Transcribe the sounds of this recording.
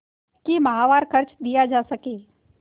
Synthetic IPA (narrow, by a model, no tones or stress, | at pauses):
kimɐɦaːʋaːɾkʰɐɾt͡ʃd̪ijad͡ʒaːsɐkeː